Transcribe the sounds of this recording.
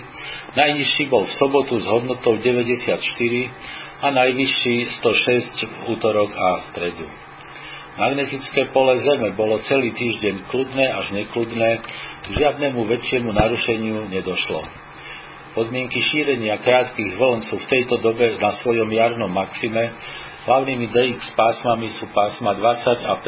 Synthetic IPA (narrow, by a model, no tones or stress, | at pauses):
najɲiʃːiːbɔlfsɔbɔt̪uzɦɔd̪nɔt̪ɔʊɟɛʋɛɟɛsɪat̪ʃt̪iɾi | anajʋiʃːiːst̪ɔʃɛscvuːt̪ɔɾɔɡast̪ɾɛd̪ṵ | maɡnɛt̪it͡skɛːpɔlɛzɛmɛbɔlɔt͡sɛliːt̪iːʒɟɛɲklud̪nɛːaʒɲɛklud̪nɛːɡʒɪad̪nɛmuʋɛt͡ʃɪɛmunaɾuʃɛɲɪuɲɛd̪ɔʃlɔ̰ | pɔd̪mɪɛŋkiʃiːɾɛɲɪakɾaːt̪kiːɣʋl̩nsuːft̪ɛjt̪ɔd̪ɔbɛnasʋɔjɔmjaɾnɔmːaksimɛ | ɦlaʊniːmid̪ɛjikspaːsmamisuːpaːsmad̪ʋat͡saɟap